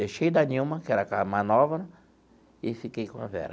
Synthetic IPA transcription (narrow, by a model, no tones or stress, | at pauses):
ejʃejd̪ɐniwmɐkɪɛɾɐkamanɔvɐɾ | ɪfikejkõɐ̰vɛ̰ɾɐ